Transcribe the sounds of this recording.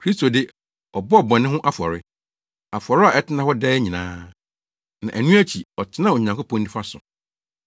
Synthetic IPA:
kʰɾi˦sto˨dɪ˦ | ɔ˨bɔ˦ɔ˨bɔ̃˨nɪ̃˦ɦʊ̃˦ʔa˦fɔ̰˨ɾɪ˦ | a˨fɔ˨ɾɪ˦a˨ɛ˦tʰɪ˦nã˦hɔ˦dɛː˦ɲĩ˨nãː˦ | nã˨ʔæ˨nũ˦æ˦t͡ɕʰi˨ɔ˨tʰɪ˦nã˦˨o˨ɲã˨ŋkʊ˦pʰɔ̃˦ndĩ˦fa˦sʊ̰˨

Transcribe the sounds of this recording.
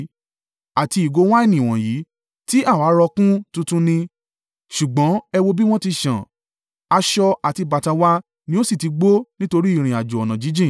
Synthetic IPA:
a˨ti˧i˨ɡo˨˧w̃a˦ɛ˦˨nĩ˨w̃ɔ̃˨ji˨˦ | ti˦a˦˨wa˨˦ɾɔ˧kũ˦tũ˧tũ˦nĩ˧ | ʃu˨ɡ͡bɔ̃˨˦ɛ˧wo˦bi˦w̃ɔ̃˦ti˧ʃã̰˨ | a˧ʃɔ˧a˨ti˧ba˨ta˧wa˦ | nĩ˦o˦si˦˨ti˧ɡ͡bo˦nĩ˦to˧ɾi˦i˦˨ɾ̃ĩ˨a˨d͡ʒu˨ɔ˨nã˨d͡ʒi˨˦d͡ʒĩ˦˨

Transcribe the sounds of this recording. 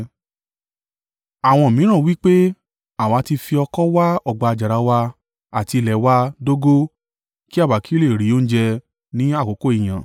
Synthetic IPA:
a˨w̃ɔ̃˧˨mĩ˨˦ɾ̃ã˦˨wi˦k͡pe˦ | a˦˨wa˨˦ti˧fi˧ɔ˧kɔ˦wa˦ɔ˨ɡ͡ba˧a˧˨d͡ʒa˨ɾa˨˧wa˧ | a˨ti˧lɛ˨˦wa˧do˦ɡo˦ | ki˦a˦˨wa˨ki˦le˦˨ɾi˨˦o˦n̩˦d͡ʒɛ˧ | nĩ˦a˦˨ko˨˦ko˦i˨j̃ã̰˨

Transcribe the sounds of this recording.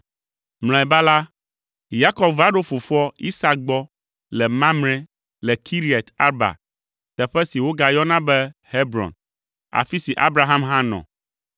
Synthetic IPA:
ml̃ɔ̃˨ɛ˨ba˦la˦ | ja˦kɔ˦bva˦ɖo˦fo˨fɔ˦i˦sa˦k̚ɡ͡bɔ˦ | lɛ˨mã˦mnɛ̃˦ | lɛ˨kʰi˦ɾi˦ɛ˨t̪a˦ɾba̰˨ | t̪ɛ˨ɸɛ˦si˨wo˦ɡa˨jɔ˦nã˦bɛ˦he˦bɾɔ̰̃˨n | a̰˨fi˦si˨ʔa̰˦bɾa˦ɦã˦mɦã˦nɔ̰̃˨

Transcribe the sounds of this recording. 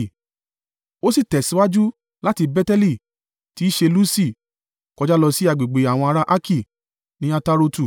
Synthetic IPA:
o˦si˦˨tɛ˨si˨˦wa˦d͡ʒu˦ | la˦ti˧bɛ˦tɛ˦li˦˨ | ti˨˦ʃe˧lu˦si˦˨ | kɔ˧d͡ʒa˦lɔ˧si˦a˨ɡ͡be˨ɡ͡be˨˦a˨w̃ɔ̃˧a˧ɾa˦ʔa˦kʰi˦˨ | nĩ˦a˧ta˦ɾo˧tu˨

